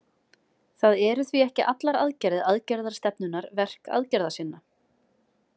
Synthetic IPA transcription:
θaðɛɾʏθviɛhcɪʔat̪laɾa̰ðcɛɾðɪðaðcɛɾðaɾ̥st̪ɛpnʏnːaɾvɛr̥ka̰ðcɛɾðasɪnːa

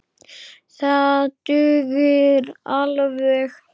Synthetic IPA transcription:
θaðt̪ʏːɣɪɾalvɛx

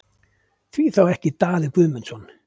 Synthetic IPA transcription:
θviθawɛhcɪt̪aːðɪkvʏːmɛnsɔn

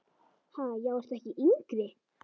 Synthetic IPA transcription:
haːjɛɣɛr̥t̪ɛhcɪʔiŋkɾɪ

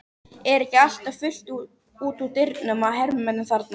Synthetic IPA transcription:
ɛɾɛhcɪal̥t̪afʏl̥t̪u | uːt̪ut̪ɪɾt̪nʏmaðɦɛɾmʏmɛt̪ːɪmθaɾt̪na

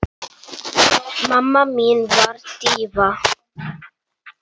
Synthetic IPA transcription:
mamaminvaɾtiva

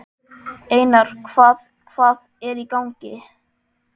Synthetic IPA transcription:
eːjnaɾ̥kʰvaːð | kʰv̥aːð | ɛɾikawŋcɪ̰

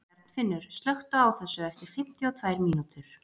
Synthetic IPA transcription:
ɛɾt̪nfɪnːʏɾ̥st̪lœxt̪ʏawθɛsːʏɛft̪ɪɾ̥fɪm̥t̪jiɔt̪ʰvajɾmiːnut̪ʏɾ̥

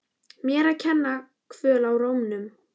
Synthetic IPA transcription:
mjɛːɾaðcʰɛnːa | kʰvœːlawroːwmnʏm

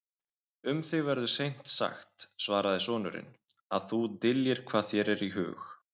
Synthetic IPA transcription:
ʏmθɪɣvɛɾðʏsejn̥t̪sa̰xt̪svaːɾaðɪsɔːnʏɾɪ̰n | aðθut̪ɪljɪɾ̥kʰv̥aːðçɛɾɛɾiɦʏ̰ːx

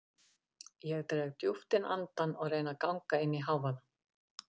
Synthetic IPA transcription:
jɛɣt̪ɾeɣt̪juft̪ɪnʔa̰nt̪anɔɣrejnakawŋkaɪnːiɦawvana

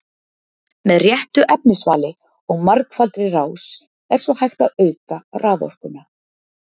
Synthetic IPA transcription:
mɛðrjɛht̪ʏʔɛpnʏsvaːlɪ | ɔɣmaɾkfalt̪ɾɪraːws | ɛɾ̥svɔhajxt̪aðœːɥkarʔaːðɔ̰r̥kʏna

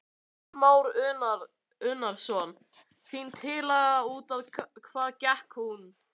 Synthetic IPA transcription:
maːwɾʏnaɾ | ʏnːaɾ̥sɔn | θint̪ʰɪlaːjɣaauːt̪aðkʰvaːðcɛhkhun

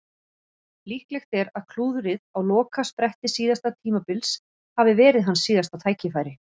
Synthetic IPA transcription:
lihklɛxt̪ɛɾaðkʰluːðʏɾɪðawlɔːkaspɾɛht̪ɪsiːðast̪at̪ʰiːmapɪls | havɪvɛːɾɪðɦansiːðast̪at̪ʰaːjcɪfaːjɾɪ

